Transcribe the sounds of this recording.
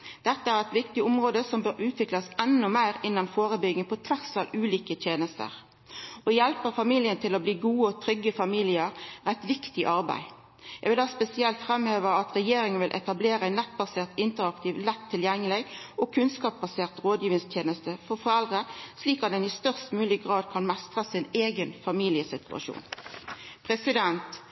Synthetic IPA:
d̪̥ɛt̪ːəæɾɛt̪ʋɪkt̪ɪʊmʁoːd̪əsɔmbøːɾʉːt̪ʰʋɪklɑsɛnːʊmæɪɾɪnːɑnfoːʁəbʏɡəpʰɔt̪ʰʋæʁsɑlʉːliːkət̪ʰjeːnəst̪ə̰ʁ | ʔɔjɛlpəʁfɑmiːljənt̪ʰɪlɔbliːɡuːəɔt̪ʰɾʏɡəfɑmiːlɪəɾːɛt̪ʋɪkt̪ɪʔɑʁbæ̰ɪ | jɛɡʋɪld̪ɑːspɛsɪɛlt̪fʁɛmheːʋəɑt̪ʁɛjeːɾɪŋənʋɪlʔɛ̰t̪ɑbleːɾəæɪnɛt̪ːbɑseːʁt̪ɪnt̪əʁɑkt̪iːʋlɛt̪ʰːɪljɛŋːəlɪʔɔkʰʉnskɑːp̚bɑseːʁt̪ʁoːd̪jiːʋ̪ɪŋst̪ʰjeːnəst̪əfɔʁfɔʁɛld̪ʁəsliːkɑt̪̚d̪ɛnɪst̪œʁst̪mʉːlɪɡʁɑːd̪̚kʰɑnmɛst̪ʁəsɪneːɡənfɑmiːlɪəsɪt̪ʰʉ̰ɑ̰ʃṵːn | pʰʁɛsɪd̪ɛnt̪

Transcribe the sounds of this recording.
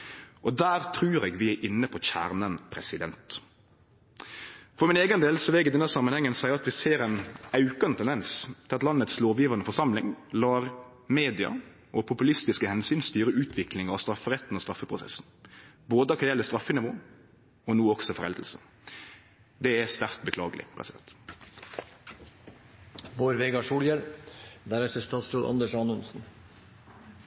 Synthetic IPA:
ʔɔd̪æːɾt̪ʰɾʉːɾɛːɡʋɪæʔɪnːəpʰɔçæ̰ːɾnənpʰɾɛsɪd̪ɛnt̪ | fɔɾmɪneːɡənd̪eːlsɔʋɛɡɪd̪ɛnːæsɑmːənhɛŋːənsæɪəɾɑt̪ʋɪseːɾɛnɑʉkɑnt̪ʰɛnd̪ɛnst̪ʰɪlɑt̪lɑnːət̪sloːʋjiːʋɑnəfɔʂɑmlɪŋlɑːɾ | meːd̪ɪɑ̰ | ʔɔpʰʊpʉlɪst̪ɪskəhɛnsyːnst̪yːɾəʉːt̪ʰʋɪklɪŋɑɑst̪ɾɑfːəʁɛt̪ːn̩ɔst̪ɾɑfːəpʰɾʊsɛ̰sn̩ | boːd̪əkʰɑjɛlːəst̪ɾɑfːənɪʋo̰ː | ɔnuːɔksɔfɔʁɾɛ̰ld̪əl̩sə̰ | d̪ɛɛst̪æʁt̪bəkʰlɑːɡəlɪ̰pʰɾʁɛ̰sɪd̪ɛ̰nt̪ | boːɾʋeːɡɑʂuːljɛld̪æɾɛt̪əst̪ɑːt̪sɾuːlʔɑ̰nd̪əʂɑnʉnsn̩

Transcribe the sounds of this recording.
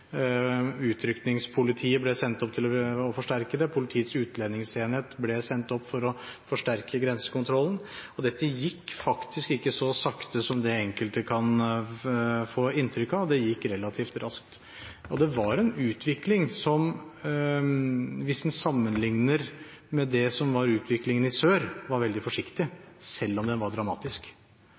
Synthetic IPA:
ʉːt̪ʰɾʏknɪŋspʰʊlɪt̪ʰiːəblɛsɛnt̪ɔpt̪ʰɪlɔɔfɔʂʈæɾkəd̪ɛpʰʊlɪt̪ʰiːət̪sʉːt̪leːnɪŋseːnheːt̪blɛsɛnt̪ɔpːfɔɾɔfɔʂʈæɾkʰəɡɾɛnsə̥kʊnt̪ʰɾɔlːən̩ɔd̪ɛt̪ːəjɪkːfɑkt̪ʰɪskɪkːəsɔsɑkt̪əsɔmd̪ɛɛŋkəlt̪əkʰɑn | foːɪnːt̪ʰɾʏkːɑʋd̪ɛjɪkːɾɛlːɑt̪ʰiːft̪ɾɑskt̪ | ɔd̪ɛʋɑɾɛnʉːt̪ʰʋɪklɪŋsɔm | ʋɪsnsɑmːənlɪŋnəɾ | mɛd̪ɛsɔmʋɑɾʉːt̪ʰʋɪklɪŋənɪsøːɾʋɑɾʋɛld̪ɪfɔʂɪkt̪ɪsɛlːɔmd̪ɛnʋɑɖɾɑmɑ̰ːt̪ɪsk

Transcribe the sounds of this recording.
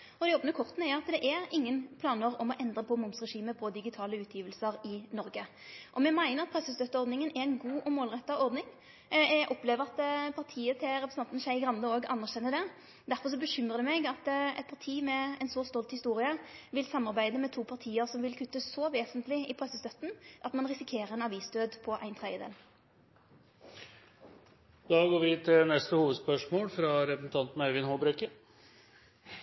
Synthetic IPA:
ɔd̪ɛjɔbənəkʰɔʁt̪n̩æjʊɑt̪d̪ɛʔæɾɪŋːənpʰlɑːnəʁɔmɔʔɛnd̪ɾəpʰɔmʊmsʁɛʂiːməpʰɔd̪ɪɡɪt̪ʰɑːləʉːt̪ʰjiːʋəlsəɾɪnɔɾɡə | ʔɔmɛmæɪnəʁɑt̪̚pʰʁɛsːəst̪œt̪ːəɔɾd̪nɪŋənɛɛɪnɡuːʔɔmoːlʁɛt̪ːɑɔɾd̪nɪŋ | æɡʔɔpleːʋəʁɑt̪pʰɑʁt̪ʰiːət̪ʰɪɾɛpɾəsɑnt̪nsæɪɡʁɑnd̪əoːɡɑ̰nːəʁɕɛnːəd̪ɛ | d̪æɾfɔʁʂ̬ɔbəɕʏmʁəd̪ɛmɛɡɑt̪ɛ̰t̪̚pʰɑʁt̪ʰiːmɛɛɪnsɔst̪ɔlt̪hɪst̪uːʁɪəʋɪlsɑmɑʁbæɪd̪əmɛt̪ʰuːpʰɑʁt̪ʰiːəʁsɔmʋɪlkʰʉt̪ːəsɔʋeːsənt̪lɪɪpʰʁɛsəst̪œt̪ːn̩ʔɑt̪mɑnʁɪsɪkʰeːɾəʁɛnɑʋiːsd̪øːd̪pʰɔʔæɪnt̪ʰʁɛd̪jəd̪ḛːl | d̪̥ɑːɡoːɾʋɪt̪ʰɪlnɛst̪əhuːʋəd̪spœʂmoːlfɾɑɾɛpɾəsn̩t̪ʰɑnt̪n̩œʋɪnhoːbɾɛkə

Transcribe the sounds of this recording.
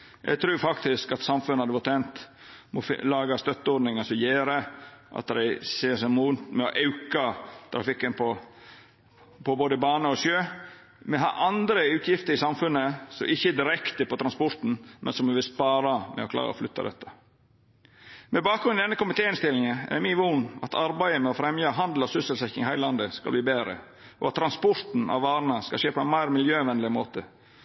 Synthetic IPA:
jʔɛ̰ɡt̪ʰɾʉːfɑkt̪ɪskɑt̪sɑmfʉnəɑd̪ɛʋɔt̪ʰɛnt̪ | mɔflɑːɡɑst̪œt̪ːəɔɾɖnɪŋɑsɔjeːɾəʔɑ̰t̪d̪æ̰ɪseːsɛɪmuːnt̪mɛɔʔɑʉkɑt̪ʰɾɑfɪkːənpʰɔ | pʰɔboːd̪əbɑːnəɔsøː | mɛɦɑ̰ɾʔɑnd̪ɾəʉːt̪ʰjɪft̪əɾɪsɑmfʉnːəsɔmɪçːəd̪ɪɾɛkt̪əpɔt̪ʰɾɑnspɔɾt̪n̩mʔɛ̰nsɔmd̪ɛʋɪlspɑːɾɑmʔɛ̰ɔkʰlɑ̰ːɾə̰ɔ̰flʏt̪ʰːɑ̰d̪ɛ̰t̪ːə̥ | mɛbɑːk̚ɡɾʉnd̪ɛnːəkʊmɪt̪ʰeːɪnst̪ɪlɪŋəɛ̰mɪʋunɑ̰t̪ʰɑɾbæɪəmɛɔfɾɛmjəɦɑnd̪l̩ɔsʉsəlsɛçɪŋɪhæɪlɑnd̪əskɑlbliːbeːɾə̰ | ʔɔ̰ɑt̪ʰːɾɑnspɔɾt̪n̩ɑ̰ʋʋɑːɾnəskɑ̰lʃeːpʰɔɛnmæɪɾmɪljøːʋɛnlɪmoːt̪ə

